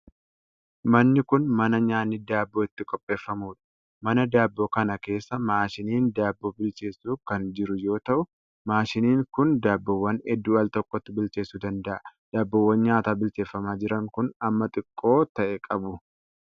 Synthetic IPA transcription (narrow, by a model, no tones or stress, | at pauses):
mɐnːɪkʊnmɐnɐɲaːnːɪd̪aːbːoːɪt̪ːɪkʼɔpʼːe̞ːfːɐmuːᶑɐ̥ | mɐnɐd̪aːbːoːkɐnɐke̞ːsːɐmaːʃɪniːnd̪aːbːo̞ːbɪlt͡ʃe̞ːsuːkɐnd͡ʒɪɾʊjo̞ːt̪ɐʔʊ | maːʃɪniːŋkʊnd̪aːbːɐwːɐnɛd̪ːuːɐlt̪ɔkʼːɔt̪ːɪbɪlt͡ʃe̞ːsːuːd̪ɐnd̪ɐʔɐd̪̥aːbːɐwːɐnɲaːt̪aːbɪlt͡ʃe̞ːfːɐmaːd͡ʒɪɾɐŋkʊnɐmːɐt̪ʼɪkʼːo̞ːt̪ɐʔɛkʼɐbʊ